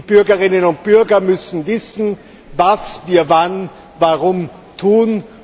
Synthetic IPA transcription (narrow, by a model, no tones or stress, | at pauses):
b̥ʏɐɡəʁɪnənʊnt̚b̥ʏɐɡɐmʏsn̩vɪsn̩ | vasviːɐvan | vaʁʊm | tʰuːn